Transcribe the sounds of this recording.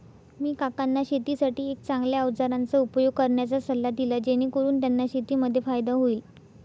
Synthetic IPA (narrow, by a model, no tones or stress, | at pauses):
miːkakanːaɕet̪iːsaʈiːek̚t͡sãŋɡljaəʋd͡zaɾant͡səupjoɡ̚kəɾɳjat͡sasəlːad̪ilad͡ʑeñiːkoɾuːnt̪janːaɕet̪iːməd̪ʱːjefajd̪aɦoiːl